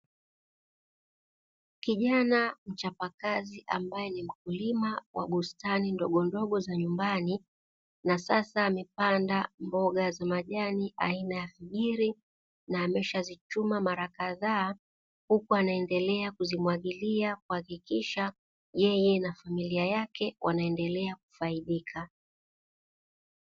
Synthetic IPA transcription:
kiʄanam̩t͡ʃapakaziʔambajɛnim̩k̚ulimawʔa̰ɓustanindɔɠɔndɔɠɔzaɲumbani | nasasaːmɛpandambɔɠazamaʄaniʔa̰inajafiʄiɾi | naːmɛʃazit͡ʃumamaɾakaðaː | hukuanaɛndɛlɛakuzimwaɠiliakuhakikiʃa | jɛjɛnafamiliajakɛwʔanaɛndɛlɛak̚u̥faiɗikʰa

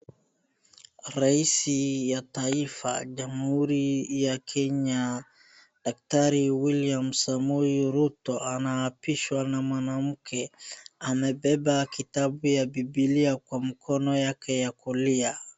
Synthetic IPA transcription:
ɾaisijataifa̰d͡ʒamhuɾijakʰɛɲa | d̥ak̚taɾiwiliamsamujiɾutɔanaːpiʃwanamwanam̩kʰɛamɛbɛbakitabujabibiliakwamikʰɔnɔjakɛjakulia

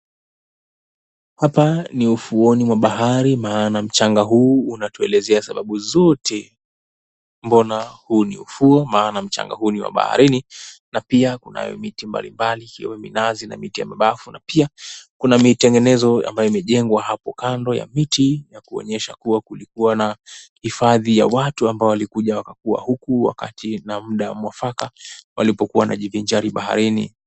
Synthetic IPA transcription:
hapaniufuɔnimwaɓaɦaɾimaːnam̩t͡ʃaŋɡaɦuːnatuɛlɛzɛasaɓaɓuzɔtʰɛ | mbɔnahuːnḭṵfuɔmaːnam̩t͡ʃa̰ŋɡa̰huːniwa̰ɓa̰ha̰ɾininapiakuna̰jɔ̰mitimba̰lḭmbalikiɔ̰wɛmḭnazina̰mitija̰maɓafunapiakunamitɛŋɡɛnɛzɔa̰mbajɔimɛʄɛŋɡwaɦapɔkandɔja̰mitijakuɔ̰ɲɛʃakuwakulikuwanahifaðija̰watuambaɔwalikuʄawakakua̰hukuwa̰ka̰tinamuɗawamwafakawalipɔkuwana̰ʄiviɲd͡ʒaɾiɓaha̰ɾinḭ

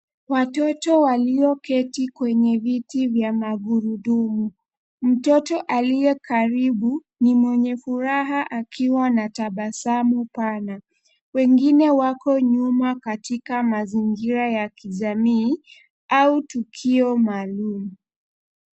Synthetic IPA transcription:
watɔtɔwaliɔkɛtikwɛɲɛvitivjamaɡuɾuɗumu | m̩tɔtɔʔalijɛkʰaɾiɓu | nimwɛɲɛfuɾaɦaʔakʰiwanataɓasamupana | wɛŋɡinɛwakɔɲumakatikamaziŋɡiɾajakiʄamiː | autukʰiɔmaːlumu

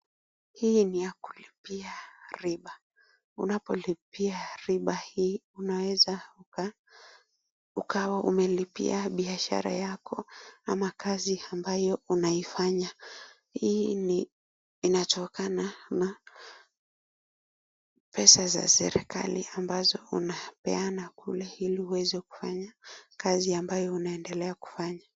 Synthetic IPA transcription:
hiːnijaku̥lipiaɾiɓa | unapɔlipiaɾiɓahiːunawɛza | ukawaʔṵmɛlipḭaɓiaʃa̰ɾa̰jakɔamakaziambajɔunaifaɲa | hiːni | inatɔkanana | pʰɛsaza̰sɛ̰ɾɛka̰liambazɔunapɛ̰anakṵlɛhilihuwɛzɛku̥faɲakaziambajɔunaɛndɛlɛaku̥faɲa

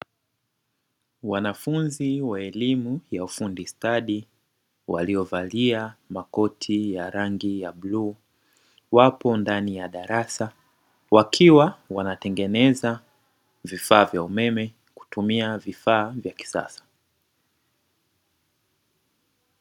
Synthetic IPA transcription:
wanafunziwaɛlimujaufundistaɗi | wa̰liɔvaliamakɔtʰijaɾaŋɡijaɓlu | wapɔndanijaɗaɾasa | wakʰiwawanatɛŋɡɛnɛza | vifaːvjaumɛmɛ | ku̥tumiavifaːvjaki̥sa̰sḁ

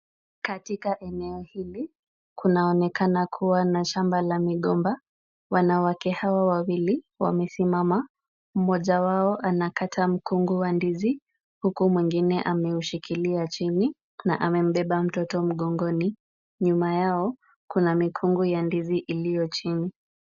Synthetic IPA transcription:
katikaʔɛnɛɔhili | kunaɔnɛkanakʰuwanaʃambalamiɠɔmba | wanawakɛhawawawili | wa̰mɛsimama | m̩mɔʄawaɔʔanakatʰam̩kuŋɡuwandizi | hukumwiŋɡinɛʔamɛuʃikiliat͡ʃini | na̰ʔamɛm̩ɓɛɓam̩tɔtɔm̩ɠɔŋɡɔni | ɲumajaɔ | kunamikʰuŋɡujandiziʔilijɔt͡ʃini

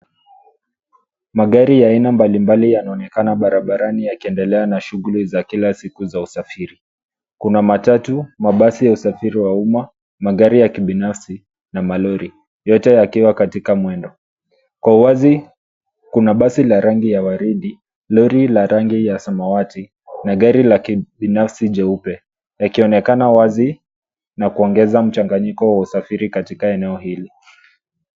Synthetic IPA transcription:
maɠaɾijainambalimbalijanaɔnɛkanaɓaɾaɓaɾanijakiɛndɛlɛanaʃuɣulizakilasikuzausafiɾi | kunamatatumaɓasijausafiɾiwauma | maɠaɾijakiɓinafsi | namalɔɾi | jɔtɛjakiwakatikamwɛndɔ | kwauwazi | kunaɓasilaɾaŋɡijawaɾiɗi | lɔɾilaɾaŋɡijasamawati | naɠaɾilakiɓinafsiʄɛupɛ | jakiɔnɛkanawazi | nakuɔŋɡɛzam̩t͡ʃaŋɡaɲikɔwausafiɾikatikaɛnɛɔhili

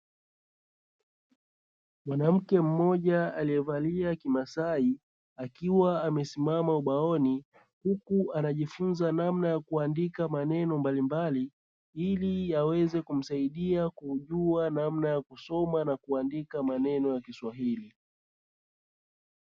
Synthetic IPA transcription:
mwanam̩kɛm̩ːɔʄaalijɛvaliakimasai | akiwaːmɛsimamauɓaɔni | hukuʔanaʄifunzanamnajakuandikamanɛnɔmbalimbali | iliawɛzɛkum̩saiɗiakuuʄuanamnajakusɔmanakuandikamanɛnɔjakiswaɦili

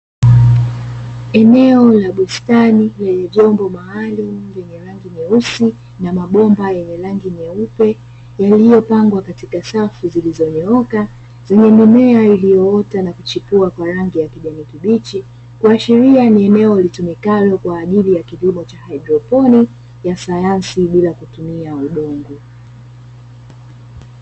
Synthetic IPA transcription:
ɛnɛɔlaɓustanilɛɲɛvjɔmbɔmaːlum̩jɛɲɛɾaŋɡiɲɛusi | namaɓɔmbajɛɲɛɾaŋɡiɲɛupɛ | jalijɔpaŋɡwakatikasafuzilizɔɲɛɔka | zɛɲɛmimɛailijɔɔtanakut͡ʃipuakwaɾaŋɡijakiʄanikiɓit͡ʃi | kuaʃiɾianiɛnɛɔlitumikalɔkwaːʄilijakivimɔt͡ʃahaidɾɔpɔni | jasajansiɓilakutumiauɗɔŋɡu

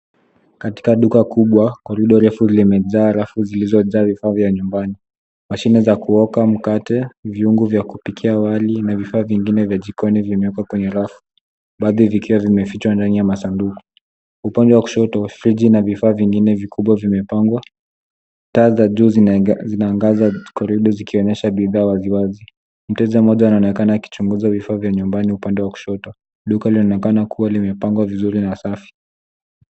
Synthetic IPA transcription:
kati̥kaɗukakuɓwakwaɾuɗɔɾɛfulimɛzaːɾafuzilizɔzaːvifaːvjaɲumbani | maʃinɛzakuɔkam̩katɛviuŋɡuvjakupikʰiawalinavifaːviŋɡinɛvjaʄikʰɔnivimɛɔkakwɛɲɛɾafu̥ | ɓaðivikiwavimɛfit͡ʃwandanijamasanduku̥ | upandɛwaku̥ʃɔtɔfɾid͡ʒinavifaːviŋɡinɛvikuɓwavimɛpaŋɡwa | taːzaʄuzinaːŋɡazakɔɾiɗɔzikiɔɲɛʃaɓiðaːwaziwazi | m̩tɛzamɔʄaunaɔnɛkanaːki̥t͡ʃuŋɡuzavifaːvjaɲumbaniupandɛwaku̥ʃɔtɔ | ɗukailiɔnɛkanakʰuwalimɛpaŋɡwavizuɾinasafi̥

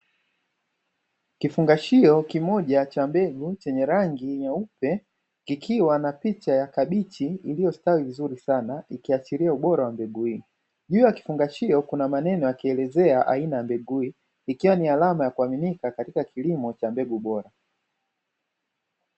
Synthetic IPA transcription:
kifuŋɡaʃiɔkimɔʄat͡ʃambɛɡut͡ʃɛɲɛɾaŋɡiɲaupɛ | kikʰiwanapit͡ʃajakaɓit͡ʃiilijɔstawivizuɾisanaikiat͡ʃiɾiauɓɔɾawambɛɡui | ʄuːjaki̥fuŋɡaʃiɔkunamanɛnɔjakiɛlɛzɛaʔa̰inajambɛɡuiː | kiwanialamajakuaminikakatikakʰilimɔt͡ʃambɛɡuɓɔɾa

